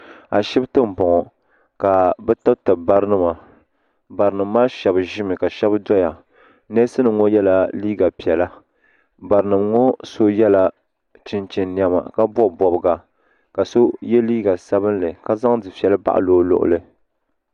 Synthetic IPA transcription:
a̰˨ʃɛ˦btɨ˦m̩˨bɔ˨ŋɔ˨ | ka˨bɛ˦ta˦btɨ˨ba˦ɾɨ˦nɨ˦ma˨ | ba˨ɾɨ˨nɨ˨mː˦aː˦ʃɛ˨bɨ˨ʒɪ˦mɨ˨ka˨ʃɛ˦bdɔ˦ja˨ | nɛ˦sɨ˦nɨ˨ŋɔ˦jɛ˦la˦liː˦ɡa˨pi˨ɛ˨la˦ | ba˨ɾɨ˨nɨ˨mŋɔ˦so˦jɛ˦la˨ | t͡ʃɪ˨nt͡ʃɪ˨nni˨a˨ma̰˨ka˦bɔ˦˨bɔ˨bɨ˨ɡa˨ | ka˨so˦jɛ˦liː˦ɡa˨sa˦bɨ˦nlɨ˨ka˦za˦ŋdɨ˨fi˨ɛ˨lɨ˦ba̰˦˨ʔa̰˨loː˦lʊ̰˨ʔʊ̰˨lɨ˦

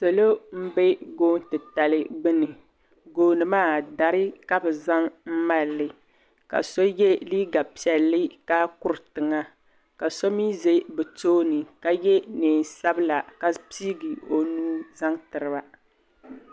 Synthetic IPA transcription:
so˨lo˦m̩˦bɛ˦ɡoː˦n˦tɨ˨ta˨lɨ˦ɡ͡bɨ˦nɨ˨ | ɡoː˦nɨ˨maː˦da˨ɾɨ˦ka˦bɛ˨za˦ŋm̩˦ma˦lːɨ˨ | ka̰˨so˦jɛ˦liː˦ɡa˨pi˨ɛ˨lːɨ˦ka˦kʊ˦ɾtɨ˨ŋa˦ | ka˨so˦mi˦ze˦bɛ˨toː˦nɨ˨ka˦jɛ˦neː˨n˨sa˦bɨ˦la˨ka˦piː˦ɡi˨o˨nuː˦za˦ŋtɨ˨ɾɨ˨ba˨

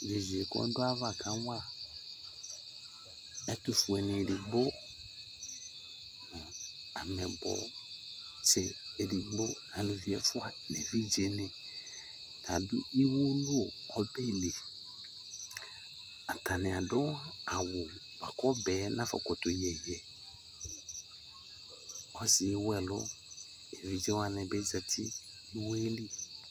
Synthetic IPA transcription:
d͡ʒe˨zu˨e˨kɔ̰˦dʊ˦a˦va˦˨ka˨˦wa˦ | ɛ˦tu˨fu˨ɛ˨nɪ˨ɾi˨ɡ͡bo˦ | nʊ̃˨ | a̰˨mɛ̃˨bɔ̰˦ | sɛ˨e˨ɾi˨ɡ͡bo˦nã˨nũ˨vi˨˦ɛ˨fʊ˦a˨nɛ˨vi˦d͡ʒe˨˦nẽ˨ | n˨a˨dʊ˦i˦wo˦lu˦o˨ | ɔ˦bɛ˦˨le˨ | a˨tʰa˨nɪ̃˨a˨dʊ˦wa˦a˨wʊ˨ | ba̰˨kɔ˦bɛː˨˦nã˦fɔ̰˨kɔ˨tʊ˨jɛ˨jɛ˨ | ɔ˦sɪ˨˦wɛ˦lʊ̰˦ | e˨vi˨d͡ʒe˦wa˦nɛ̃˨bɛ˦zɛ˨tʰɪ˦ | i˦wo˦e˦li˦

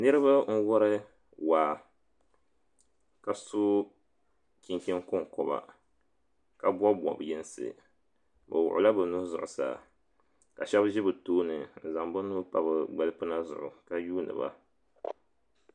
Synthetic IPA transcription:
nɨ˦ɾɨ˦ba˦n̩˦wɔ˦ɾɨ˦ | waː˨ | ka˨su˦ | kʲi˦ŋkʲi˦ŋkʊ˦ŋkɔ˨ba̰˨ | ka˨bwɔ˦bɔ̰˨bjɛ˦n˦sɨ̰˨ | bɨ̰˨wʊ˨ʔʊ˨la˦bɨ˨nu˦zʊ̰˨ʔʊ˨sa̰˨ | ka˨ʃɛ˦bʒɪ˦bɨ˨toː˦nɨ˨n̩˨za˨mbɨ˦nu˦pa˦bɨ˨ɡ͡bɛ˨lɨ˦pɨ˦na˦zʊ̰˨ʔʊ̰˨ka˦juː˦nɨ̰˨ba̰˦

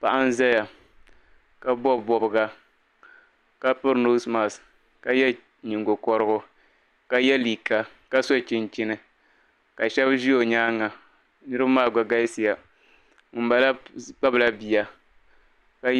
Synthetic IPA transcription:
pa˨ʔa˦n̩˦za˦ja˨ | ka˦bɔ˦˨bɔ˨bɨ˨ɡa˨ | ka˦pɨ˦ɾno˦sma˨s | ka˨jɛ˦ | ɲi˨ŋɡo˨kɔ˨ɾɨ˦ɡʊ˦ | ka˦jɛ˦li˨ka˨ | ka˦so˦t͡ʃɪ˦nt͡ʃɪ˦nɨ˨ | ka˨ʃɛ˦bʒi˦o˨ɲaː˦ŋːa˨ | nɨ˦ɾɨ˦bmaː˦˨ɡ͡ba˨ɡa˦si˨ja˨ | m̩˨˦ba˨la˦k͡pa˦bla˦bi˨ja˨ | ka˦

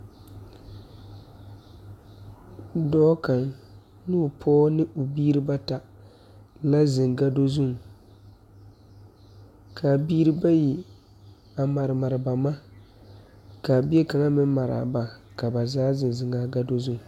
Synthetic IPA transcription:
dɔː˦ka˨ŋ | nu˦˨pʰɔː˦nɨ˦ʔo˨biː˦ɾɨ˦ba˦ta˨ | la˦zɪ˨ŋɡa˦do˦zu˦˨ | kʰa˨biː˦ɾɨ˦ba˦ji˨ | a˨ma˨ɾɨ˨ma˨ɾɨ˨ba˨ma˦ | ka˨bi˦e˦ka˨ŋa˦mɪ˦ma˨ɾa̰˨ba˨ | ka˨ba˨zaː˦zɪ˨n˨zɪ˨˦ŋa˦ɡa˦do˦zu˦ŋ˨

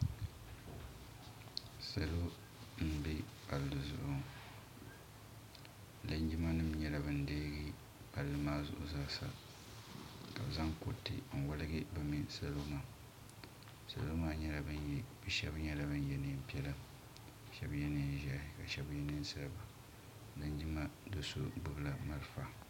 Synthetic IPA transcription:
sa˨lo˦ | m̩˨bi˦a̰˨llɨ˨zʊ̰˨ʔʔʊ˦ | la˨ɲ˦d͡ʒi˦ma˦nɨ˦mɲɛ˦la˨bɨ˨n̩˦deː˦ɡi˦ | a˨lːɨ˦maː˦zʊ̰˦˨ʔʊ̰˦zaː˦sa̰˨ | ka̰˨bza˦ŋko˦tːɨ̰˨n̩˨wa˦lɨ˦ɡɪ˦bɨ˨mi˦sa˨loː˦ma˨ | sa̰˨lo˦maː˦ɲɛ˦la˨bɨ˦njɛ˦bɨ˦ʃɛ˦bɲɛ˦la˨bɨ˦n˦jɛ˦nɨ˦m̩˦pi˦ɛ˦lɨ˦m˨ | ʃɛ˦bjɛ˦neː˨˦˨ʒa˦hɪ˨ka˨ʃɛ˦bjɛ˦nɨ˦n˦sa˦lba˨ | la˨ɲd͡ʒi˦ma˦dɨ˨so̰˦bɨ˨bla˨ma˦lfa˨

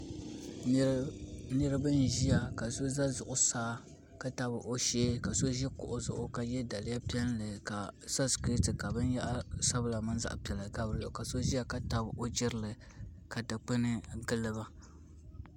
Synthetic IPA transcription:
nɨ˦ɾɨ˦bɨ˦nʒi˦ja˨ka˨so˦za˦zʊ˨ʔʊ˨saː˦ | ka˦ta˨bɨ˨ʔo˦ʃeː˦ka˨so˦ʒɛ˦kʊ̰˨ʔʊ˦zʊ̰˨ʔʊ˦ka˨jɛ˦da˨lɪ˦ja˦pi˦ɛ˦llɨ˨ka˨sa˦ski˦tɨ˨ka˨bɨ˦nja˦ʔa˦sa˦bɨ˦la˨ma˦nza̰˦ʔpɛ˨la˨ɡa˦bɾɨ˦o˨ka˨so˦ʒi˦ja˦ka˦ta˦bo˦d͡ʒɪ˦ɾɨ˦lɨ˨ | ka˨da˨k͡pɨ˦nɨ˦ɡɨ˦lɨ˦ba˦

